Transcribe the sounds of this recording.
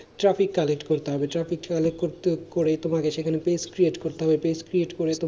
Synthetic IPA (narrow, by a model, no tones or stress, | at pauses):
ʈɾafikːalek̚ʈkoɾt̪eɦɔbeʈɾafikkalekʈkoɾt̪ekoɾet̪omakeʃekʰanepeskɾieʈkoɾt̪eɦɔbepeskɾieʈkoɾet̪o